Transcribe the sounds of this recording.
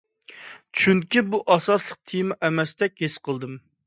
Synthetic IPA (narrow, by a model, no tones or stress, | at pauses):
t͡ʃʰyŋkʲibuʔɑsɑslˠəq̚t̪ʰijmɛʔɛmɛst̪ɛk̚ʲhesqʰəlˠd̪ɨm